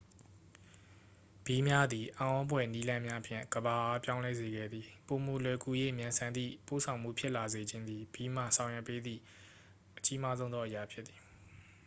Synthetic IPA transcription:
b̥i˨mja˦d̪ði˨ʔã˨ʔɔ̃˦bwɛ˨ni˦lã˦mja˦ʔəpʰjɪ̰̃˦˨ŋɡ̥əba˨ʔa˦pjã˦ʊ̃lɛ˦ze˨ɡɛ̰˦˨d̪ði˨po˨mo˨lwɛ˨kʰu˨jḛ˦˨mjã˨nsʰã˨nt̪ḭ˦˨po̰˦˨sʰã˨ʊ̃m̥ṵ˦˨pʰjɪ˦ʔla˨ze˨d͡ʑɪ̃˦nd̪ði˨b̥i˨m̥a̰˦˨sʰã˨ʊ̃jwɛ̰˦˨pːe˦d̪ðḭ˦˨ | ʔət͡ɕi˦ma˦zõ˦ʊ̃ɔ˦ʔə˨ja˨pʰjɪ˦t̪̚t̪θi˨

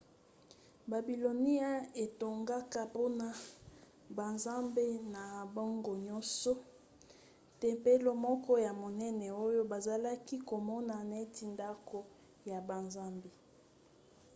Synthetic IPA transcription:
ba˨bi˨lo˨ni˦a˦e˨to˨ŋɡa˦ka˦po˦na˨ | ba˨nza˦mbe˦na˨bɔ˦ŋɡo˨ɲɔ˦nsɔ˦ | tɛ˨mpe˦lo˦mɔ˦kɔ˦ja˨mo˨nɛ˦nɛ˨o˦jo˦ba˨za˨la˦ki˦ko˨mɔ˦na˨na˨e˦ti˨nda˦ko˦ | ja˨ba˨nza˦mbi˨

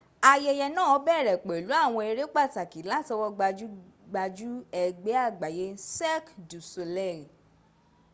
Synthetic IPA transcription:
a˧jɛ˧jɛ˧nãː˦˨ɔ˧˦bɛ˦˨ɾɛ˨k͡pe˨lu˨˦a˦˨w̃ɔ̃˧e˧ɾe˦k͡pa˦˨ta˨ki˨˦la˨˦˨tɔ˧wɔ˧ɡ͡ba˧d͡ʒu˦ɡ͡ba˧d͡ʒu˦ɛ˧ɡ͡be˨˦a˦˨ɡ͡ba˨je˨˦sɛ˦kdu˨so˧lɛ˦˨i˨

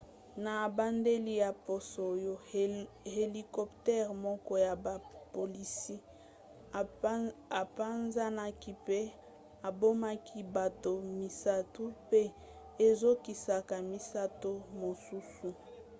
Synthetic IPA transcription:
na˨ba˦nde˦li˦ja˨po˨so˨jo˦ | he˨li˨kɔ˦ptɛ˦ʁmɔ˦kɔ˦ja˨ba˨po˨li˨si˦ | a˨pa˦nza˦na˦ki˦pe˦ | a˨bo˦ma˦kʰi˦ba˨to˨mi˨sa˦tu˦pe˦ | e˨zo˦ki˨sa˨ka˨mi˨sa˦to˦mo˨su˦su˨

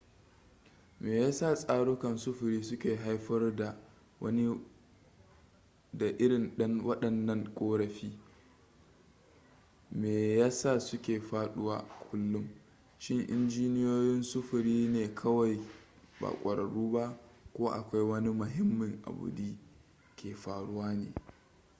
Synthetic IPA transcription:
meː˨jaː˦sa˦˨sʼaː˦ɽʊ˦kɐ˨nsʊ˦ɸʊ˨ɾiː˦sʊ˦kʲeː˨ɦa˦jɸɐ˦rda˨ | wɐ̰˦ni˦ | da˨ʔɪ˦ɽɪ˨nɗɐ˦ŋwɐ˦ɗɐ˨nːɐ˦ŋkʷʼoː˦ɾɐ˨ɸiː˦ | meː˨jaː˦sa˦˨sʊ˦kʲeː˨ɸaː˦ɗʊ˦waː˦kʷʰʊ˦lːʊ˦m | ʃɪ˦ŋʔɪ̰˦nd͡ʒiː˦nɪ˦joː˦jɪ˦nsʊ˦ɸʊ˨ɾiː˦neː˨kʰɐ˦wa˨j | ba̰ː˨kʷʼɐ˨ɾɐ˨ɽuː˦ba˦ʔkʷoː˦ʔa̰˨kʷa˦jwɐ˦ni˦mʊ˨ɦɪ˦mːɪ˨ŋʔa̰˨bʊ̰˨diː˦ | kʲʰeː˨ɸaː˨ɽʊ˦waː˦nḛː˨

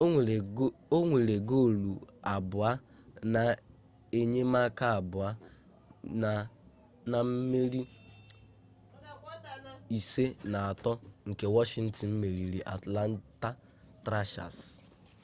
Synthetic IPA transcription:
o˦ŋʷe˨le˨ɡo˦˨lu˨a˨bʊ˨a˦ | na˨ | e˦ɲe˦ma˦ka˦a˨bʊ˨a˦˨ | na˨m̩˦me˦ɾi˦ | i˨se˦na˨a˨tɔ˦ŋ̩˨ke˨wɔ˦ʃɪ˨˦n̩˦tɪ˨m̩˦me˨ɾi˨ɾi˨ʔa̰˨tla˦n˦ta˦ | tɾa˦ʃa̰˨s

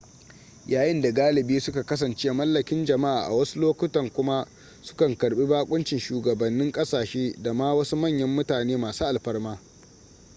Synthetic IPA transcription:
jaː˨jɪ˦nda˨ɡaː˦lɪ˨biː˦sʊ˦ka˨kɐ˦sɐ˨nt͡ʃeː˦mɐ˦lːɐ˨kʲɪ˦nd͡ʒɐ˨ma˦ʔa̰ː˨ʔa̰˨wɐ˦su˦loː˦kʷʊ˦tɐ˨ŋkʷʊ˦ma˦ | sʊ̥˦kɐ˨ŋkɐ˨ɽɓi˦baː˦kʷʼʊ˦nt͡ʃɪ˨nʃuː˨ɡɐ˨bɐ˨nːɪ˦ŋkʼɐ˦saː˨ʃeː˦da˨maː˦wɐ˦su˦mɐ˦˨ɲjɐ˦mːʊ˦taː˨neː˦maː˨suː˦ʔa˨lɸɐ˦rmaː˦

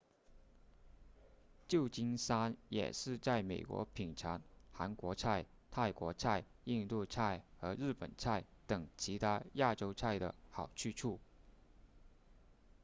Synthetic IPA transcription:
t͡ɕjo˥˩ʊt͡ɕi˥nsa˥njɛ̰˨˩ʂɻ̩˥˧t͡sa˥˩ɪme˨˩ɪkwɔ̰˧˥pʰi˨˩ŋʈ͡ʂʰa˧˥nxa˧˥nkwɔ˧˥t͡sʰa˥˧ɪ | t̪ʰa˥˩ɪkwɔ˧˥t͡sʰa˥˧ɪ | i˥˧nt̪u˥˧t͡sʰa˥˩ɪxɤ˧˥ɻɻ̩˥˩pə̰˨˩nt͡sʰa˥˩ɪt̪ɤ˨˩ŋt͡ɕʰi˧˥t̪ʰa˥ja˥˩ʈ͡ʂo˥ʊt͡sʰa˥˩ɪd̪ə̰˩xɑ˨˩ʊt͡ɕʰy˥˧ʈ͡ʂʰu˥˩

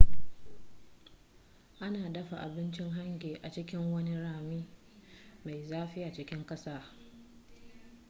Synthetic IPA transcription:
ʔa˦naː˨dɐ˦ɸa˨ʔa˨bɪ˦nt͡ʃɪ˦ŋɦa˦ŋɡʲeː˨ʔa˨t͡ʃɪ˦kʲɪ˦ŋwɐ˦ni˦ɽaː˨miː˦ | ma˨jzaː˦ɸɪ˦ja˨t͡ʃɪ˦kʲɪ˦ŋkʼɐ˦saː˦˨

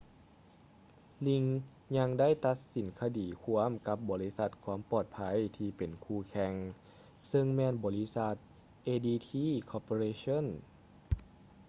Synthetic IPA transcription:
li˧ŋ | ɲa˧˥ŋda˥˨jt̪a˧˦˥t̪̚si˨˩˦nkʰa˧diː˨˩kʰu˧˥əmka˧˥p̚bɔː˨˩li˦˥sa˧˥t̪̚kʰwu˧˥əmpɔː˨˩t̪̚pʰa˧˥˨jt̪ʰiː˧˩pe˨˩nkʰuː˧˩kʰɛ˧ŋ | sɤ˧ŋmɛː˧˨nbɔː˨˩li˦˥sa˧t̪̚ | ʔeː˧diː˧t̪ʰiː˧˥˨kʰɔː˧poː˧ɾeː˧so˧˥˨n

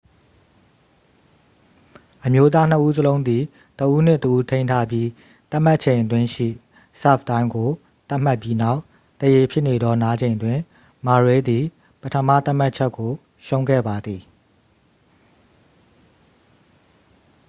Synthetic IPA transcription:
ʔəmjo˦t̪̬a˦n̥ə˦ʔu˦zəlõ˦ʊ̃nd̪i˨ | təʔu˦n̥ɪ̃˦˨təʔu˦tʰẽ˦ɪ̃ntʰa˦pji˦ | t̪a˦ʔm̥a˦ʔt͡ɕʰẽ˨ɪ̃ʔətwɪ̃˦ʃḭ˦˨ | sa̰˦˨p̚t̪ã˦ɪ̃ŋɡo˨ | t̪a˦m̥a˦pji˦na˦ʊʔ | t̪əje˨pʰjɪ˦ʔne˨d̪ɔ˦na˦d͡ʑẽ˨ndwɪ̃˨ | ma˨ɹwe˦d̪i˨ | pətʰə˦mä̰˦˨t̪a˦˨m̥a˦ʔt͡ɕʰɛ˦kːo˨ | ʃõ˦ʊ̃ŋɡɛ̰˦˨ba˨d̪i˨

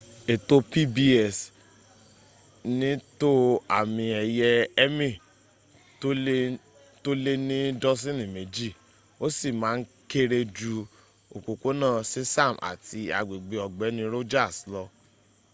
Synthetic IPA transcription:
e˨to˧pi˦bi˦ɛ˦˨s | nĩ˦to˦a̰˨mĩ˧ɛ˨jɛ˧ɛ˦mĩ˦˨ | o˦ | to˦le˦nĩ˦dɔ˦s̬ĩ˦˨nĩ˨me˨d͡ʒi˦˨ | o˦si˦˨mãː˨˦n̩˦ke˦ɾe˧d͡ʒu˧ | o˨ko˨ko˦nãː˦˨si˦sa˦˨mʔa̰˨tʰi˧a̰˨ɡ͡be˨ɡ͡be˧ɔ˨ɡ͡bɛ˨˦nĩ˦ɾo˦d͡ʒa˦˨slɔ˧

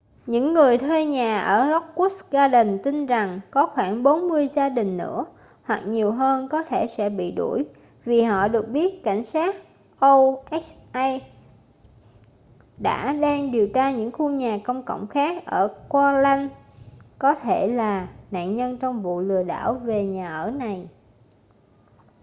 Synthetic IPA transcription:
ɲɨ̰˧˥ŋːɨ˨˩əjt̪ʰwe˧ɲaː˨˩ʔəː˧˩lɔ˦˥k͡p̚ku˦˥sɣaː˧ɗə˨˩nt̪i˧nza˨˩ŋkɔ˨˦xwaː˧˩ŋɓo˨˦nmɨ˧əjzaː˧ɗï˨˩ŋ̟nɨ̰˧˥ə | hwa˨˩k̚ɲi˨˩əwɦəː˧nkɔ˨˦t̪ʰe˧˩sɛ̰˧˥ɓḭ˧˨ɗu˧˩j | vi˨˩ɦɔ̰˧˨ɗɨ˨˩ək̚ɓi˦˥ət̚ka˧˩jŋ̟saː˦˥k̚ | ʔo˧ʔɛ˦˥kʔa˧j | ɗa̰ː˧˥ɗaː˧ŋɗi˨˩əwt͡ɕaː˧ɲɨ̰˧˥ŋxu˧ɲaː˨˩kə˧wŋ͡mkə̰˧˨wŋ͡mxaː˦˥k̚ʔəː˧˩kwaː˧la˧n | kɔ˨˦t̪ʰe˧˩laː˨˩na̰ː˧˨nɲə˧nt͡ɕɔ˧wŋ͡mvṵ˧˨lɨ˨˩əɗa̰ː˧˩wve˨˩ɲaː˨˩ʔəː˧˩na˨˩j

